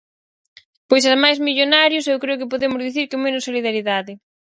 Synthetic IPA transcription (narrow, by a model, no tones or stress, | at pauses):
pojs̬aðmajzmiʎonaɾjʊsewkɾeʊkɪpoðemʊzðiθiɾkemenʊsːoliðaɾiðaðɪ